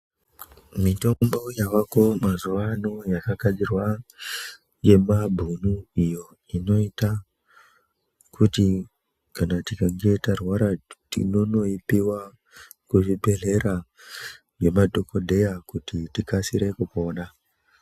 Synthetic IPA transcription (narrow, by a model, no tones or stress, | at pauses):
mito̞mbo̞jawako̞mazuʋano̞jakakad͡zirwa | je̞mabʱunuijo̞ | ino̞ita | kʰuti | kanatikaŋɡe̞itarwaɾatḭno̞no̞ipiwa | kuʐibe̞ɮe̞ɾa | ʐe̞madʱo̞ko̞dʱe̞jakutitikasiɾe̞kupo̞ːna